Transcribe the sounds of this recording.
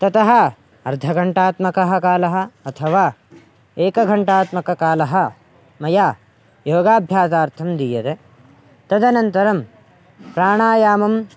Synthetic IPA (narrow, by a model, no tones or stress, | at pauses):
t̪ɐt̪ɐɦɐ | ɐɾd̪ʱɐɡɐɳʈaːt̪mɐkɐɦɐkaːlɐɦɐ̆ɐt̪ʰɐʋaː | eːkɐɡʱɐɳʈaːt̪mɐkɐkaːlɐɦɐ̆ | mɐjaː | joːɡaːbʱjaːsaːɾt̪ʰɐmd̪ijɐɾe | t̪ɐd̪ɐnɐnt̪ɐɾɐm | pɾaːɳ̃aːjaːmɐm